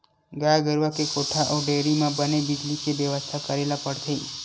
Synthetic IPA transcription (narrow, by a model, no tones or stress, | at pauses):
ɡajɡəɾʋakekoʈʰaʔoɖeɾimãbənebid͡ʒlikeʋjəʋəst̪ʰakəɾelapəɽt̪ʰəi